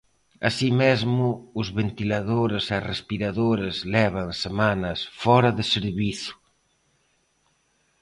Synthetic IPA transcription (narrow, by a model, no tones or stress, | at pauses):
a̰simezmʊʊzβent̪ilaðoɾɪsarespiɾaðoɾezlɛβɐŋsemanɐsfɔɾɐðɪseɾβiθʊ̥